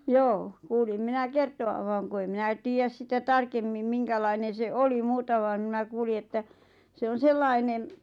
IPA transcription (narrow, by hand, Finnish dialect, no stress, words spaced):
joː kuːlim minæ kertoʋɑʋ ʋɑːŋ ku ei minæ tiːjæs sitæ tɑrkemːim miŋkælɑinen̞ se oli muːtɑ ʋɑːn̆ mnæ kuːli etːæ se on selːɑinen